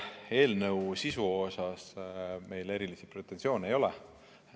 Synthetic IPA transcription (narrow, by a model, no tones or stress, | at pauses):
e̞ːlnɤwsisuo̞sɑsme̞jle̞ɾilisipret̪ːˑensio̞ːnejo̞lɛ